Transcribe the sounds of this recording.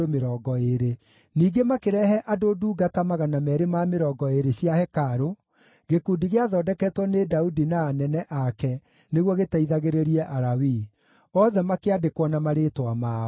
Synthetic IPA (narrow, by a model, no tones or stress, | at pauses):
omeɾɔːɡɔeɾe | niːɡemakeɾɛɦɛʔadoduːɡatamaɣanamɛɾemameɾɔːɡɔeɾeɕjahɛkaɾo | ɡekuːdiɣeaðɔːdɛkɛtwɔnedaudinaːnɛnɛʔakɛ | neɣwɔɣetaiðaɣeɾeɾiɛʔaɾawi | ɔðɛmakeadekwɔnamaɾetwama